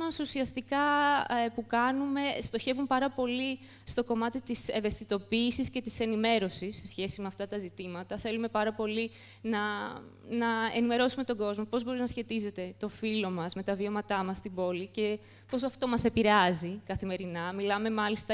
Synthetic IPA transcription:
mɐsusiɐst̪ikɐpukɐnume̞st̪o̞çe̞vumpɐɾɐpo̞li | st̪o̞ko̞mɐt̪it̪iseve̞st̪it̪o̞piːsisce̞t̪ise̞nime̞ɾo̞sisːesçe̞simeɐft̪ɐt̪ɐzit̪imɐt̪ɐθe̞lume̞pɐɾɐpo̞li | nɐ | nɐḛnime̞ɾo̞sume̞t̪o̞ɡo̞zmo̞po̞zbo̞ɾinɐsçe̞t̪ize̞t̪e̞t̪o̞filo̞mɐzme̞t̪ɐvio̞mɐt̪ɐmɐst̪ibo̞lice̞ | po̞s̬oɐft̪o̞mɐse̞piɾeɐzikɐθime̞ɾinɐmilɐme̞mɐlist̪ɐ

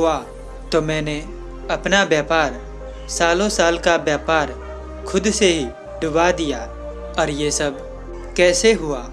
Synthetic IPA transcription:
ɦʊa | t̪omɛ̃ːne | ɐpnabjaːpaːɾ | saːlõsaːlkabjaːpaːɾ | kʰʊd̪seɦi | ɖʊbad̪ija | ɔːɾjesɐb | kɛːseɦʊaː

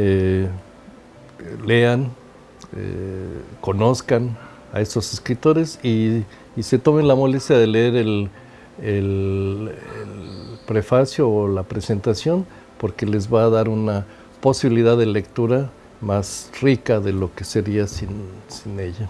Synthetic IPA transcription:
e | le̞an | ḛko̞no̞skan | a̰e̞st̪o̞seskɾit̪o̞ɾe̞si | se̞t̪o̞mẽ̞nlamo̞lest̪jaðe̞leeɾel | el | elpɾe̞fasjoːlapɾe̞se̞nt̪asjo̞n | po̞ɾkele̞zβaːðaɾuna | po̞siβiliðaððele̞kt̪uɾa | masrikaðe̞lo̞kese̞ɾiasinsine̞ʝa

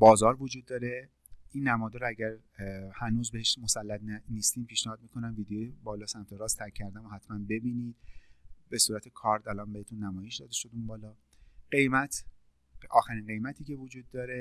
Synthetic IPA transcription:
bɒːzɒːɾvod͡ʒuːd̪ːɒːɾe | ʔiːnːæmɒːd̪ɔɾoæɟæɾ | hænuːzbeeʃmo̞sælːæt̪ænist̪iːmpʰiːʃnæhɒːd̪̚miːkʰo̞næmviːd̪ejeebɒːlɒːsæmt̪ʰe̞ɾɒːst̪ʰæɾkʰːæɾd̪æmohæt̪ʰmænbe̞biːniː | be̞suːɾæt̪ʰe̞kʰɒɾd̪ælɒːnbehet̪ʰunːæmɒːje̞ʃd̪ɒːd̪e̞ʃo̞d̪umbɒːlɒː | ɡɢ̥e̞jmæt̪ʰ | ɒ̰ːxæɾinɢe̞jmæt̪ʰiːce̞vod͡ʒuːd̪ːɒːɾe̞

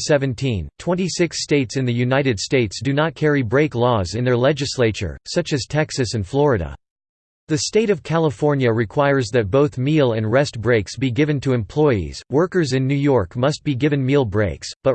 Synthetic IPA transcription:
sɛvɨ̃ntʰĩntʰw̥ɛ̃ñisɪksteɪtsɨ̃nðɨjʉnaɪɾɨd̥steɪtsd̥ɨnət̚kʰɛɹibɹeɪklɔzɨ̃nðə˞lɛd͡ʒɨsleɪt͡ʃə̰˞sʌt͡ʃɨz̥tʰɛksɨsɨ̃nflɔɹɨɾə̰ | ðɨsteɪɾʌv̥kʰælˠəfɔɹnjɨɹɨkʰw̥aɪə˞zðɨt̚b̥oʊθmilˠɨ̃nɹɛst̚b̥ɹeɪksb̥iɡɪvɨ̃ntʰɨɨ̃mpʰl̥ɔɪḭz̥wɜ˞kə˞zɨ̃nːʉjɔɹkmʌst̚b̥iɡɪvɨ̃nmilˠbɹeɪksb̥ʌt̚

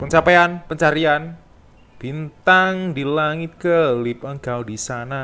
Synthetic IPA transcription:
pəɲt͡ʃapeanpəɲt͡ʃaɾian | b̥int̪aŋdilaŋɪt̪̚ɡəlɪp̚əŋɡawdisana

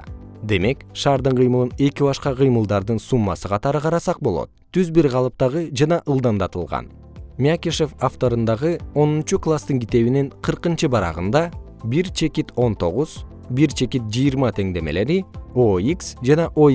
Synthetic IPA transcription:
d̪e̞me̞kʃɑːɾd̪ɯɴqʰɯjmɯlˠɯne̞kibɑʃqɑqʰɯjmɯlˠd̪ɑɾd̪ɯnsumːɑsɯqʰɑt̪ɑɾɯqʰɑɾɑsɑq̚bo̞lˠo̞̰t̪̚t̪ʰːyzbiɾʁɑlˠɯp̚t̪ɑʁɯd͡ʒɑnɑʔɯlˠd̪ɑnd̪ɑt̪ɯlˠʁɑ̰n | mʲakʲiʃefaft̪o̞ɾɯnd̪ɑʁɯo̞nunt͡ʃuklˠast̪ɯŋɡit̪e̞βiniɴqʰɯɾqɯnt͡ʃɯbɑɾɑ̰ʁɯnd̪ɑ | biɾt͡ʃʰe̞kit̪o̞nt̪o̞̰ʁuz | biɾt͡ʃʰe̞kit̪̚d͡ʒɯjːɾmɑt̪ʰe̞ŋd̪e̞me̞̰le̞ɾioiksd͡ʒɑnɑʔo

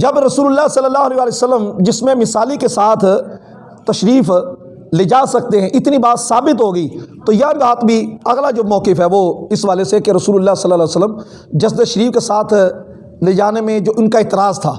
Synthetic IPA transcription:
d͡ʒɐbɾɐsuːlʊlːaːsɐlːəlːaːɦʊɐleːʋaːlejosəlːəmd͡ʒɪsmẽmɪsaːlikesaːt̪ʰ | t̪ɐʃɾiːf | led͡ʒaːsɐk̚t̪eɦɛ̃ʔɪt̪nibaːt̪saːbɪt̪ɦoːɡəit̪ojɐɦbaːt̪bʱiɐɣlad͡ʒoːmɔːkɪfɦɛːʋoɪsʋaːlesekeɾɐsuːlʊlːaːsɐlːaːlːsəlːəm | d͡ʒɐsd̪əʃɐɾiːfkesaːt̪ʰ | led͡ʒaːnemẽd͡ʒoːʊnkaɪt̪ɪɾaːzt̪ʰa̰ː

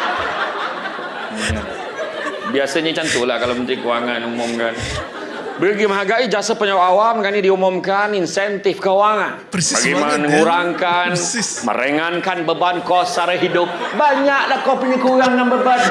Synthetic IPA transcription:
ɲa | biasaɲat͡ʃant̪ulahkalomənt̪ɾikəwaŋanumʊmkan | bəɡimaɦaɡaid͡ʒasəpəɲawawamkanidiumʊmkaninsɛnt̪ɪfkəuwaŋanbaɡijmananəŋuɾaŋkanmə̰ɾəŋankanbəbankosaɾəɦidʊp̚baɲaʔlahkopinikuɾaŋːanbəban

